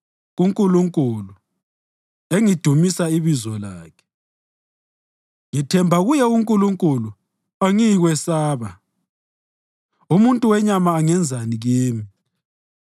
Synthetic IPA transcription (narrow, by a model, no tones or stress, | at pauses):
ɣuŋkʼuluŋkʼulu | eŋid̥ʱumisaiβizɔlaːkʰɛ̥ | ŋitʰɛmbʱaɣujɛuŋkʼuluŋkʼulu | aŋiɣwɛsaːβa | umuntʼuwɛɲamaːŋɛnd͡zʱaniɣiːmi